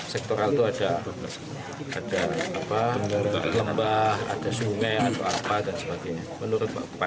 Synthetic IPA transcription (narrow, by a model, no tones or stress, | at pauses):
sɛk̚t̪oɾalt̪uada | adaːpa | ləmbaha̰dasumɛat̪aapadansəpəɡajɲamənuɾʊt̪̚ba̰ʔpa